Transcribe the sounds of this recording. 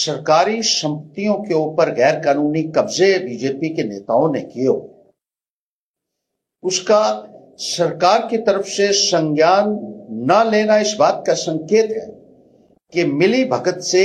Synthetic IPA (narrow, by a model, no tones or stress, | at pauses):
sɐɾkaːɾisɐ̃mpət̪ijõkeoːpəɾɣɛːɾkaːnuːnikɐbzebiːd͡ʒeːpikenḛːt̪aːõnekijoː | ʊska | sɐɾkaːɾkit̪ɐɾəfsesɐ̃ŋɡjaːnːɐleːnaɪsbaːt̪̚kasɐ̃ŋkeːt̪ɦɛ̰ː | kemɪlibʱɐɡət̪se